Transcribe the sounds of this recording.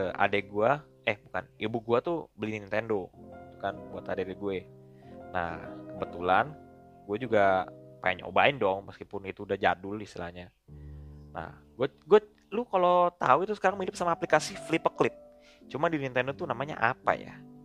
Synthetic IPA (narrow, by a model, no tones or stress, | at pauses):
əa̰deɡua | ɛhbuka̰nibuɡuat̪ubəlinint̪ɛndoit̪ukanbuat̪adaɾiɡue | na̰kəbət̪ulan | ɡuad͡ʒuɡapaɲɔ̰o̰baɪndɔŋməskipʊnit̪uːdahd͡ʒa̰dʊlist̪ila̰hɲa | na̰hɡuaɡua | lukalot̪auit̪usə̥kaɾaŋməidʊpsamaːplikasiflipəklɪp̚ | t͡ʃumadinint̪ɛndot̪unamaɲa̰ʔapa̰ja̰